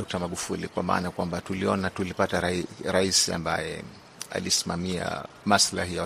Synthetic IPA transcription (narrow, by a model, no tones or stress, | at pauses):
ɔk̚tamaɠufulikwama̰ːnakwambatuliɔnatulipataɾɾaisia̰mbajɛ | a̰lisimamia̰ | maslahija